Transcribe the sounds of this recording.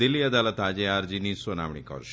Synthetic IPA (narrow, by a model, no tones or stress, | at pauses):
iliɐd̪alət̪ad͡ʑeaɾd͡ʑinisəna̰ʋɳḭkə̰ɾʃ